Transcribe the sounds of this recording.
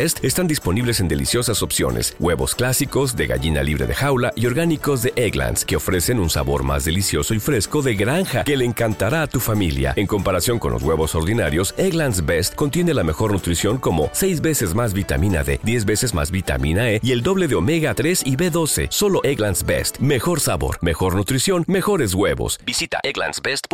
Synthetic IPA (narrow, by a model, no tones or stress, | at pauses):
est̪est̪and̪ispo̞niβle̞se̞nd̪e̞lḭsjo̞saso̞psjo̞̰ne̞̰swe̞βo̞̰sklasiko̞zd̪e̞ɣa̰ʝina̰liβɾe̞̰ðe̞̰xawlaʔio̞ɾɣaniko̞zðe̞ʔeɣla̰nske̞o̞fɾe̞se̞nunsa̰βo̞̰ɾma̰zðe̞lisjo̞so̞ifɾe̞sko̞ðeɣɾaŋxake̞leːŋkant̪aɾaːt̪ufamilja̰e̞ŋko̞mpaɾasjo̞ŋko̞nlozɣwe̞βo̞so̞ɾðinaɾjo̞seɣlansbest̪ko̞nt̪je̞ne̞lame̞xo̞ɾnut̪ɾisjo̞ŋko̞mo̞̰se̞jzβe̞se̞zmazβit̪a̰mĩna̰ðe̞̰ðje̞zβe̞se̞zma̰zβit̪a̰minaeie̞ld̪o̞βle̞ðeo̞me̞ɣat̪ɾe̞siβe̞ðo̞se̞̰so̞lo̞eɣlansbḛst̪me̞xo̞ɾsaβo̞̰ɾme̞xo̞ɾnut̪ɾisjo̞nme̞xo̞ɾe̞zɣwe̞βo̞̰sbisit̪a̰eɣla̰nsbest̪